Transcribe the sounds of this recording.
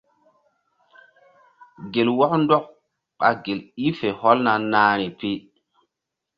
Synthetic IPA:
ɡe˨lwɔ˦kndɔ˦k̚ː | a̰˨ɡe˨li˦fe˨hɔ˦lna˨naː˦nɛ˨pi˦

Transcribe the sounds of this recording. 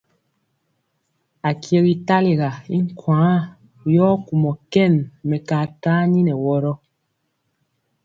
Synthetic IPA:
a˨kje˦˨ɣi˨ta˦li˨ɣa˨i˦ŋ̩˦kwãː˨˦ | jɔː˦ku˨mɔ˨kɛ˦˨nmɛ˨ka˨taː˦ɲi˦nɛ˨wɔ˦ɾɔ˦

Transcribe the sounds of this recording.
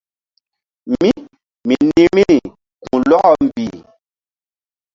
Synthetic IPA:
mĩ˦ | mĩ˨nĩ˦mĩ˦˨ | kũ˨lɔ˦kɔ˦m̩˨bi˨

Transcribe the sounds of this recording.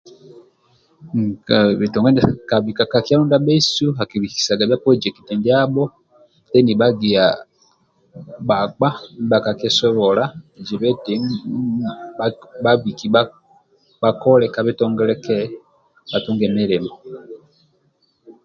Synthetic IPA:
ŋ˨βi˨tɔ˨ŋɡɛ˦nka˨βi˨ka˨ka˨ki˦a˦ɾɔ˦nda˦bɛ˦su˦ɦa˨ki˨βi˨hi̥˨sa˨ɡa˨bja˦pɔ˦d͡ʒɛ˨ki̥˨tɛ˨ndi˦a˦bɔ˦ | tɛ˦ni˨ba˦ɡi˨a˨ | ba˨k͡pa˦n˦ba˨ka˨kɛ˦sɔ˦βɔ˨la˦d͡ʒi˨βɛ˦tɛ˨ | ba˦βi˨ki˨ | ba˨kɔ˦lɛ˨ka˨βɛ˦tɔ˦ŋɡɛ˦lɛ˦kɛ˦ | ba˨tɔ˦ŋɡɛ˨mɛ˦ɾɛ˨mɔ˨

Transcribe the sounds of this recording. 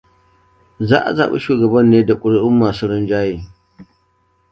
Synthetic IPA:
zaː˦ʔa̰˨zaː˨ɓḛ˦ʃuː˨ɡɐ˨bɐ˦nːeː˦da˨kʷʼʊ˨ɽɐ˦ɗʊ˦mːaː˨sʊ˦ɽʊ˦nd͡ʒaː˦jeː˨

